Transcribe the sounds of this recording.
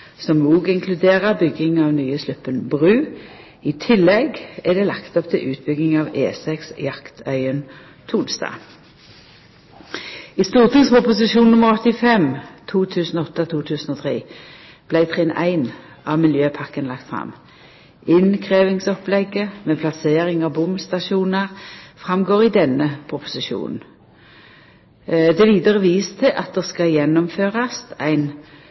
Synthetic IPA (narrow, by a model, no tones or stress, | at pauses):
sɔmnuːɡɪŋkʰlʉd̪eːʁəbʏɡɪŋɑːʋnyːəslʉpːənbʁʉː | ɪt̪ʰɪlːɛɡæd̪eːlɑkt̪ɔpt̪ʰɪlʔʉːt̪̚bʏɡɪŋɑːʋeːsɛksjɑkt̪ʰœʏən | t̪ʰuːlsd̪ɑ̰ː | ɪst̪uːʁt̪ʰɪɡspɔpʊsɪʃuːnnʊmːəʁɔt̪ɪfɛmt̪ʰuːt̪ʰʉːsn̩ɔɔt̪ːət̪ʰuːt̪ʰʉːsən̩ɔːt̪ʰʁḛː | b̥læɪt̪ʰʁeːnʔæ̰ɪn | ɑʋmɪljøːpʰɑkənlɑkt̪fʁɑ̰m | ɪnkʰʁeːʋɪŋsɔplɛɡəmeːpʰlɑseːʁɪŋɑʋbʊmst̪ɑʃuːnəʁfʁɑmɡoːʁɪd̪ɛnːəpʰʁʊpʊ̥sɪʃṵːnn̩ | d̪ɛʋiːd̪əʁəʋiːst̪ʰəʔɑt̪̚d̪ɛskɑjɛnːɔmføːʁɑsæɪn